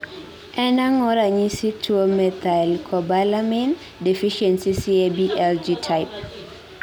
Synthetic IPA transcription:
ʔɛnãŋɔɾaɲisitʰomɛt̪alkʰɔbalamɛn | dɛfiʃɛnsisiebiʔɛld͡ʒitʰajp̚

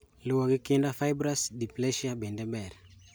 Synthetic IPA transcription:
luwaɡikindafajbɾasd̪iplɛʃjabendɛbɛɾ

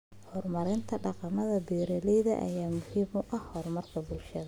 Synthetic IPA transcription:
hɔrmɐɾɪnt̪ʰɐɖɑqɑmɐðɐbɛːɾɛlɛjðɐ̰ʔɐ̰jaːmʊhiːmʊʔɐhhɔrmɐrkʰɐbʊlʃɐðɐ

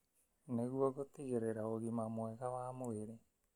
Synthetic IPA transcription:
neɣuaɡotiɣeɾeɾaoɣimamoɛɣawaːmoeɾe

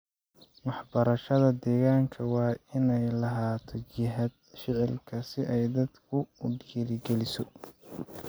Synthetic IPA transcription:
wɑħbɐɾɐʃɐðɐd̪ɛːɣaːŋkʰɐwɑːɪnɛjlɐɦaːt̪ʰɔt͡ʃɪɦɐd̪̚fɪʕɛlkʰɐsɪʔɛjd̪ɐd̪kʰʊʊɖɛɾɪɡɛlɪsɔ

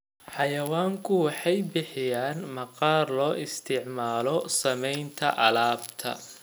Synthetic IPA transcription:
ħɑjɐwaːŋkʰʊwɑħɑjbɪħɪjaːnmɐqɑːrlɔːʔɪst̪ʰɪʕmaːlɔsɐmɛjnt̪ʰɐʔɐlaːbt̪ʰɐ̰

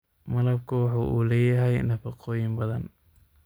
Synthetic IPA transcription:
mɐlɐb̚kʰʊwɑħuːʔṵːlɛːjɐɦɛjnɐfɑqɔːjɪmbɐðɐn

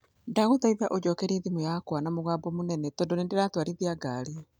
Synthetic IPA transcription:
daɣuðaiβaʔod͡ʑɔkɛɾiðimujakwanamoɣaːbɔmonɛnɛtɔndonendeɾatwaɾiðiaɡaːɾi

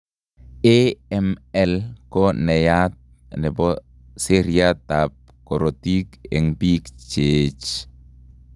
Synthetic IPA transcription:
eɛmɛlkɔnɛjat̪̚ | nɛbɔ | seɾiat̪ap̚ | kɔɾot̪ikɛ̰ŋbikt͡ʃet͡ʃ

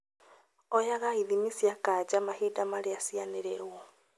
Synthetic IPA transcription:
ɔjaɣaiðimisjakad͡ʑamahiːdamaɾeasianeɾɛwɔ

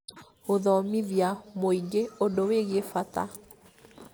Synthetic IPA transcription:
oðɔmiðjamoiɡeodoweɣefata̰

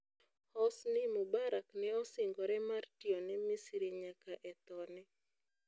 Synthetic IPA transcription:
hɔsnɪmubaɾaknɛɔsɪŋɡɔɾɛmartiɔnɛmisɾiɲakaʔɛt̪ɔnɛ

